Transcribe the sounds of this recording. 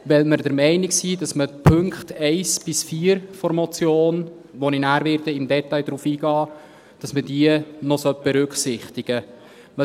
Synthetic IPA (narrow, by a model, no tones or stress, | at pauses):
ʋɛlməɾdəɾmɛɪnɪksiːdɑsməpʰɵŋkχtɛɪsb̥ɪsfiːəɾfɔɾmɔt͡sjoːn | ʋɔninæːɾʋɪɾdəɪmdɛt̪ɑɪd̥̪ɾuːfiːɡ̥ɑː | d̥ɑsmədiːənɔsœt̚b̥ɛɾʏkχsɪχt̪ɪɡ̥ə